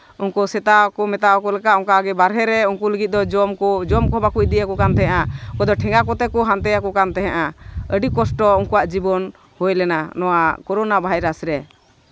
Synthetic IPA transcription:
unkɔsɛt̪akɔmɛt̪aɔkɔlɛkaʔɔŋkaɡɛbaɾɦɛɾɛuŋkuləɡit̪̚ˀd̪ɔd͡ʒmd͡ʒɔmkɔbakuc̚d̪ijakɔkant̪ɛɦɛ̃ʔakɔd̪ɔʈʰɛ̃ŋɡakɔt̪ɛkɔɦant̪ɛjakɔkant̪ɛɦɛ̃ʔaəɖikɔsʈɔuŋkuwaʔd͡ʒibɔn | hojlɛnanɔwakɔɾɔnabʱaajɾasɾɛ

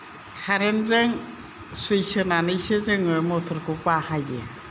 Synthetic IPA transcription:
kʰaɾenzɯŋ | sujsɯnanɯjsɯzɯŋɯmɔtʰɔɾkʰupahajḛ

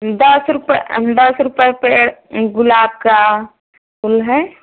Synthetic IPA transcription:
d̪əsɾʊpd̪əsɾʊpəpeɡʊlaːb̚ka | pʰʊlɦɛ

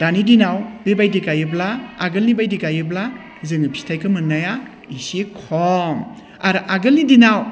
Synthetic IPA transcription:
danidinawbebajdikajɯblaːɡɯlnibajdikajɯbla | zɯŋɯpʰi̥stʰajkʰɯmɯnaja | isekʰɔŋ | aɾʔaɡɯlnidinaw

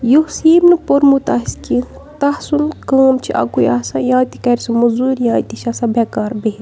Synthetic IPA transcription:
josiːmnɨpoɾmut̪aɦiski | t̪ɐhsunkəːmt͡ʃʰiʔɐ̰kujaːsãːjãːt̪ikɐɾʲsumɐzuːɾjãːt̪iʃasɐ̃bʱɐkaːɾbeɦ

